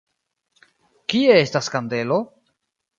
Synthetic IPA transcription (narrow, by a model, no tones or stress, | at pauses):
kie̞estaskande̞lo̞